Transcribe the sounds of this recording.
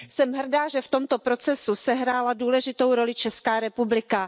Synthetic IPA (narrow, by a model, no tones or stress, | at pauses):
sɛmɦr̩daːʒɛft̪o̞mt̪o̞pɾo̞t͡sɛsusɛɦɾaːladuːlɛʒɪt̪o̞wɾo̞lɪt͡ʃɛskaːɾɛpublɪka